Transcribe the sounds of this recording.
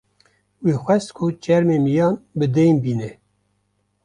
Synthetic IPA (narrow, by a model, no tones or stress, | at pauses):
wixʷɛst̪kʰʊt͡ʃɛɾmemijɑːnbɨd̪ɛjnbiːnɛ